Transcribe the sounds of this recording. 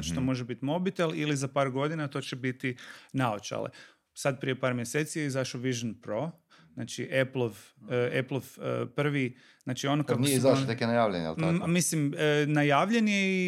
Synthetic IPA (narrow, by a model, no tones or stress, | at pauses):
t͡ʃt̪omo̞ʒebit̪imo̞bit̪elˠilizapaːɾɡo̞d̪inat̪o̞ːt͡ɕebit̪inaot͡ʃa̰lḛ | sad̪̚pɾijepaːɾmjeseːt̪sijeizaʃoʋiʒanpɾo̞ | znat͡ʃiʔeplˠoʋeplˠoʋəpr̩ʋi | znaːt͡ʃio̞nokakezat̪ekenajaːʋʎeɲ̰j̰amislimənajaːʋʎenjei